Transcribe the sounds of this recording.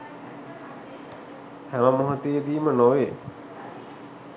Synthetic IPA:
hæʋəmoɦot̪ejəd̪iːmənoʋe

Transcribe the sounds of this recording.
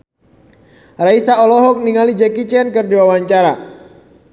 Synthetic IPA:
raisaɔlɔɦɔk̚niŋalid͡ʒɛkit͡ʃɛnkɨrdiwawaɲt͡ʃaɾa

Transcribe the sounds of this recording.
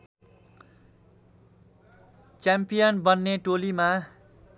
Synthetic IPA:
t͡sjampijʌnbʌnːeʈolima

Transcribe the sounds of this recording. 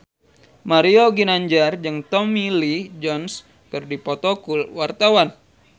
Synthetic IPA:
maɾioɡinaɲd͡ʒard͡ʒɨŋt̪ɔmilid͡ʒɔns | kɨrdipɔt̪ɔkulwart̪awan

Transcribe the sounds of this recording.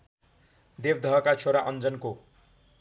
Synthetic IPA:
d̪ebd̪ʱʌɦʌkat͡sʰoɾaʔʌnd͡zʌnko

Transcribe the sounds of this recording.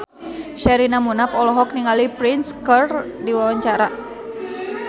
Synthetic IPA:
ʃɛɾinamunapɔlɔɦɔk̚niŋalipɾinskərdiwawaɲt͡ʃaɾa

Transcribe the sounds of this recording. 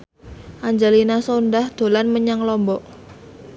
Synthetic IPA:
ʔaɲd͡ʒalinasondahd̪̥o̤lanməɲaŋlɔmbɔʔ

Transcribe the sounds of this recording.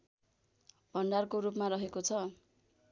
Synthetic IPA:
b̥ʱʌnɖarkoɾup̬maɾʌɦekot͡sʰʌ

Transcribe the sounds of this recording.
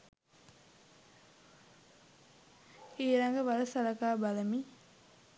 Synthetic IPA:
eːɾaŋɡəʋalɐsalakaːbaləmi

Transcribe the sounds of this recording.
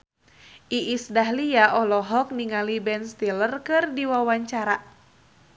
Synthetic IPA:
ʔiʔːsdaɦliaʔɔlɔɦɔk̚niŋalibɛnst̪ilərkɨrdiwawaɲt͡ʃaɾa

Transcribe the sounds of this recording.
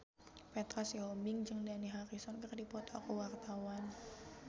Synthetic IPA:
pɛt̪ɾasiɦɔmɪŋd͡ʒɨŋdaniɦaɾisɔnkərdipɔt̪ʰakɔwart̪awan

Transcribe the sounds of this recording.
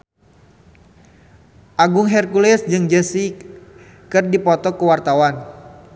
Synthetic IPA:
ʔaɡʊŋɦɛrkulɛsd͡ʒɨŋd͡ʒəsi | kɨrdipɔt̪ɔkəwart̪awan

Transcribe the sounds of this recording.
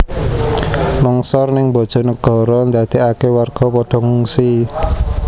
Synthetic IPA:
lɔŋsɔrnɪŋbɔ̤d̥ʒ̥ɔ̤nəɡ̥ɔ̤ɾɔnd̪ad̪̥iʔakewarɡ̥ɔ̤pɔɖ̥ɔ̤ŋuŋsi

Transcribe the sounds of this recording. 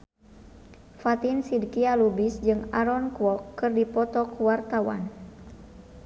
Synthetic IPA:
fat̪insidkialubisd͡ʒɨŋaɾɔnkuwɔkːɨrdipɔt̪ɔkuwart̪awa̰n

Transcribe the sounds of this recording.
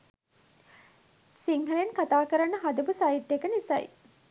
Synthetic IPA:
siŋɦəlenkat̪aːkəɾanːəɦad̪ɐbusaiʈːekənisɐ̰j̰

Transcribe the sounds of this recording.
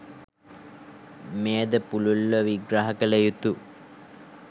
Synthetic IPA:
meːd̪əpululːəʋiɡɾaɦɐkəlejut̪u

